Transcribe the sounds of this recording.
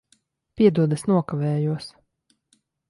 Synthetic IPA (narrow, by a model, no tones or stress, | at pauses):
pʲiɛd̪uɔd̪asnuɔkavɛːjuɔs